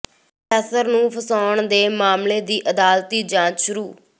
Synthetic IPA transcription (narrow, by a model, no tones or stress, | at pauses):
pʰɛːsəɾnũːpʰəsaːɳd̪eːmaːmleːd̪iːʔəd̪aːlt̪iːd͡ʒãːt͡ʃʃʊɾuː